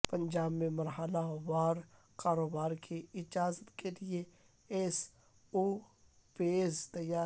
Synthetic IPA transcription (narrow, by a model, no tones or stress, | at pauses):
pɐ̃ɲd͡ʒaːbmẽmɐɾɦəlawaːɾ | kaːɾoːbaːɾkiɪd͡ʒaːzət̪kelie | es | u | peːzt̪ɐjaː